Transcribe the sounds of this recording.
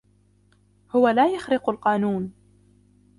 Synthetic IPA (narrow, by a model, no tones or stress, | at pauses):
hʊwalaːjaxɾɪqlqɑːnuːn